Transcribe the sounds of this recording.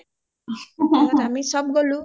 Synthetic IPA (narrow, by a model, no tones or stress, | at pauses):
tamisʌb̚ɡʌlu